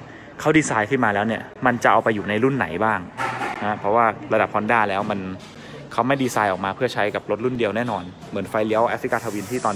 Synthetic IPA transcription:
kʰa˦˥wdiː˧saː˧jkʰɯ˥˩nmaː˧lɛː˦˥wni˥˩ɐma˧nt͡ɕa˨˩ʔa˧wpa˧jːuː˨˩na˧jɾu˥˩nːa̰˩˦jbaː˥˩ŋha˦˥pʰɔ˦˥waː˥˩ɾa˧da˨˩p̚pʰɔ˧˥ndaː˥˩lɛː˦˥wma˧n | kʰa˦˥wma˥˩jdiː˧saː˧jʔɔː˨˩k̚maː˧pʰɯ˥˩ɐt͡ɕʰa˦˥jka˨˩p̚lo˦˥t̪̚ɾu˥˩ndi˧əwnɛː˥˩nɔː˧n | mɯ˩˦ənfa˧jli˦˥ɐwʔaː˦˥fɾi˦˥kaː˧t̪ʰa˧wi˧nt̪ʰiː˥˩t̪ɔː˧

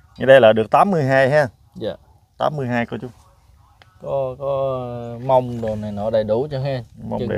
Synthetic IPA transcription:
ɲa˨˩ɗə˧jlaː˨˩ɗɨ˨˩ək̚t̪aː˨˦mːɨ˧əjɦaː˧jɦɛː˧˩ | a˨˩ | t̪a̰ː˨˦mːɨ˧əjɦaː˧jkɔ˧˦t͡ɕʊ˨˦ŋ͡m | kɔ˨˦kɔ˨˦ma˧wŋ͡mɗo˨˩na˨˩jnɔ˧˦ɗə˨˩jɗu˨˩˦t͡ɕɔ˧ɦɛ˧ma˧˩ɗə̰˨˩

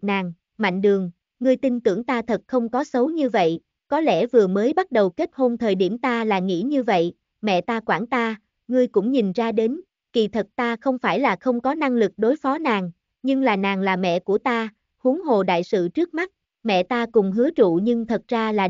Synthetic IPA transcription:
naː˨˩ŋ | ma̰˧˨jŋ̟ɗɨ˨˩əŋː | ŋɨ˧əjt̪i˧nt̪ɨ˧˩əŋt̪aː˧t̪ʰə˨˩t̚xə˧wŋ͡mkɔ˨˦sə˨˦wɲɨ˧və̰˧˨j | kɔ˨˦lɛ˧˩vɨ˨˩əməː˨˦jɓa˦˥t̚ɗə˨˩wke˦˥t̚ho˧nt̪ʰəː˨˩jɗi˧˩əmt̪aː˧laː˨˩ŋḭ˧˥ɲɨ˧və̰˧˨j | mɛ̰˧˨t̪aː˧kwaː˧˩nt̪aː˧ | ŋɨ˧əjkʊ̰˧˥ŋ͡mɲi˨˩nzaː˧ɗe˨˦n | ki˨˩t̪ʰə˨˩t̚t̪aː˧xə˧wŋ͡mfaː˧˩jlaː˨˩xə˧wŋ͡mkɔ˨˦na˧ŋlɨ˨˩k̚ɗo˨˦jfɔ˨˦naː˨˩ŋ | ɲɨ˧ŋlaː˨˩naː˨˩ŋlaː˨˩mɛ̰˧˨ku˧˩ət̪aː˧ | hu˨˦əŋɦo˨˩ɗa̰ː˧˨jsɨ̰˧˨t͡ɕɨ˦˥k̚ma˦˥t̚ | mɛ̰˧˨t̪aː˧kʊ˨˩ŋ͡mɦɨ˨˦ət͡ɕṵ˧˨ɲɨ˧ŋt̪ʰə˨˩t̚zaː˧laː˨˩

